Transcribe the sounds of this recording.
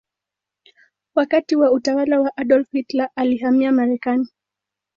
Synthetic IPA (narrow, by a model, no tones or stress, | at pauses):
wakatiwautawalawaʔaɗɔlfitlaʔaliɦamiamaɾɛkani